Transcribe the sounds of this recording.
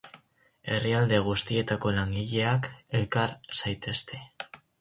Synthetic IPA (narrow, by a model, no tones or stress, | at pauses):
e̞riald̪e̞ɣ̞ust̪ie̞t̪ako̞laŋɡiʎe̞ake̞lkaɾsajt̪e̞st̪e̞